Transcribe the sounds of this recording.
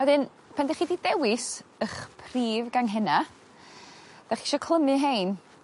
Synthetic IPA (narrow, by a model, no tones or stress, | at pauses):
adɨn | pʰandɛχididɛwɪsəχpʰriːvɡaŋɦɛna | d̥aχiʃɔkʰlˠəmɨɦejn